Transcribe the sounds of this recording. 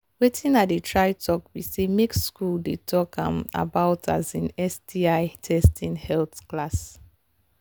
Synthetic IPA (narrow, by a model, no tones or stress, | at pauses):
wetʰĩnat̚dətʰɹaɪtʰɔkwisemeksskuldetʰɔkʰã̰ma̰baʊtʰa̰zĩnɛsdiaɪtʰɛstʰĩnhɛlθklas